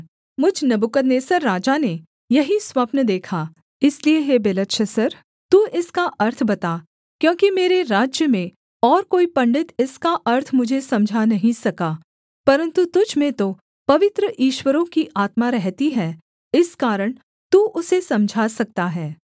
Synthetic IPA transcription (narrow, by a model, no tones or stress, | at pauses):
mʊd͡ʒʱnɐbʊkəd̪neːsəɾːaːd͡ʒane | jɐɦiswɐpnəd̪eːkʰa | ɪslieɦebeːlət̪ʃʰəsəɾ | t̪uːʔɪskaʔɐɾt̪ʰbɐt̪a | kjõːkimeːɾeɾaːd͡ʒjəmẽ | ɔːɾkoːipɐ̃ɳɖɪt̪ɪskaʔɐɾt̪ʰmʊd͡ʒʱesɐ̃md͡ʒʱanɐɦĩsɐkaː | pɐɾə̃nt̪ut̪ʊd͡ʒʱmẽt̪o | pɐʋɪt̪ɾəʔiːʃwəɾõkiʔaːt̪maɾɛɦt̪iɦɛː | ɪskaːɾəɽ̃ | t̪uːʔʊsesɐ̃md͡ʒʱasɐk̚t̪aɦɛː